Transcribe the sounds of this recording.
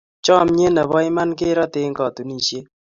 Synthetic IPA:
t͡ʃɔ˦˨mɲe˦na˨βɔ˦ɪ˦ma˦nkɪ˦ɾɔ˦tɪ˦ŋkɔ˨t̪u˨ni˨ʃje˦

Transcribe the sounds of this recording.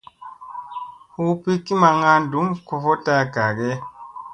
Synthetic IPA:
hu˦pi˦ki˦ma˧ŋa˦n˨du˨˦mku˧fo˦ta˧ɡa˨ɡɛ˦

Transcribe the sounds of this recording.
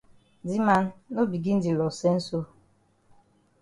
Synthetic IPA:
di˦ma˦n˦no˦bi˨ɡi˦n̩˦di˨lɔ˨se˦n̩˦so˦

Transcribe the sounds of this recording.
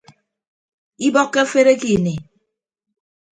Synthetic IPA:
i˦bɔ˦kːe˦fe˦ɾe˦ki˨ne˨

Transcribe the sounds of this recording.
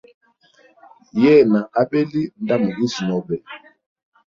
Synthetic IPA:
jɛː˦˨na˨a˦bɛ˦li˦nda˦mu˨ɡi˦si˨nɔ˨bɛ˨

